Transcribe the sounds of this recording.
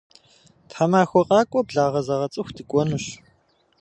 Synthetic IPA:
tħamaːxʷɔqʼɑːkʷʼɔbɮaːʁɐzɐʁɐt͡sʼɨxʷdɨkʷʼɔnuɕ

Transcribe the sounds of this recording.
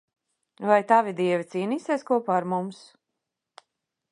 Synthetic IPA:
vajt̪avʲid̪iɛvʲit̪siːniːsiɛskuɔpaːɾmums

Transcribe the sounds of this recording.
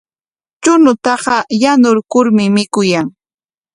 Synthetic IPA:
t͡ʃʊnʊt̪ɑɢɑjanʊɾkʊɾmɪmɪkʊjaŋ

